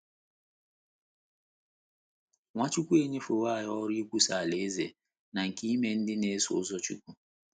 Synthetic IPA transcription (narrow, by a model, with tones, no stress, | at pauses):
ŋʷa˦t͡ʃu˦kʷu˦e˦ɲe˦fo˨wa˦˨jɔ˦ɾi˦kʷu˦sa˨le˨e˦ze˨ | na˨ŋ̩˨ki˦i˦me˦n̩˦dɪ˦ne˦e˦sʊ̰˨˦ʊ˦zɔ˦t͡ʃṵ˦kʷu˦